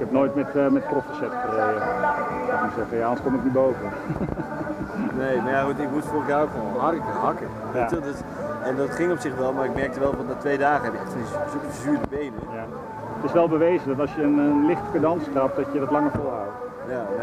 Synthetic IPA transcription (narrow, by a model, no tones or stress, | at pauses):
ɪkɛpnoːjtmɛtmɛtkrofəsɛtkərejəatmusɛxəjaɔnskomɪknibowvən | neːmajaχutɪkmutforaokfoɦɑrək̚əɦɑkə | ʋetədøs | ɛndɔtχɪŋɔpsɪχʋɛlˠmaːɪk̚mɛrk̚təʋɛlˠvɔnatʋejdaːχəɛpɪkɛsisupəzyːdəbejnəja | ətɪsʋɛlˠbəʋejzədɔtɑlˠsjəənənlɪχtə̥kədɑnskrɑp̚dɔtjədɔtlɑŋəfolˠawt | ja